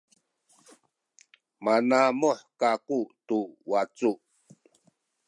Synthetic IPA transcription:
manamoħkakutuwat͡su

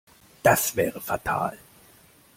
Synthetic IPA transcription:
d̥asv̥ɛːʁəfatʰa̰ːl

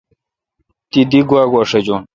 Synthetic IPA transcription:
t̪id̪iɡwaːɡwaʂɐd͡ʑon

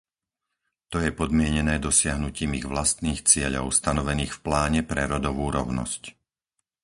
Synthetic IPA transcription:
t̪ɔjɛpɔd̪mɪɛɲɛnɛːd̪ɔsɪaɦnuciːmiɣʋlast̪niːxt͡sɪɛʎɔ̰ʊst̪anɔʋɛniːxfplaːɲɛpɾɛɾɔd̪ɔʋuːɾɔ̰ʊnɔ̰sc

